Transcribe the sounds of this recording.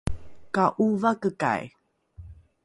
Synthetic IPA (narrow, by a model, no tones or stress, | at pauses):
kaʔuvakəka̰j